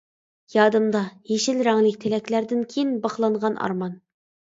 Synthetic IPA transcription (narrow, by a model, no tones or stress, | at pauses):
jɑːd̪ɨmd̪ɑjeʃɪlɾɛŋlɪk̚ʲt̪ʰelɛkʲlæɾd̪ɪnkʲʰejinbɑχlˠɑɴʁɑnʔɑ̰ɾmɑn